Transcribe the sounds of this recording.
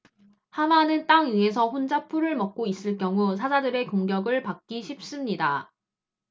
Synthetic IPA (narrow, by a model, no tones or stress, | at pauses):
hamanɯnt͈aŋie̞s̬ʰʌɸond͡ʑapʰuɾɯɭmʌk̚k͈ois͈ɯɭk͈jʌŋusʰad͡ʑadɯɾe̞koŋɡjʌɡɯɭpak̚k͈iɕʰip̚s͈ɯmɲida